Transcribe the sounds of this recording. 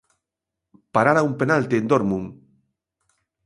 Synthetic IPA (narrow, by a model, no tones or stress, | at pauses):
paɾaɾaumpenalt̪iend̪oɾmuŋ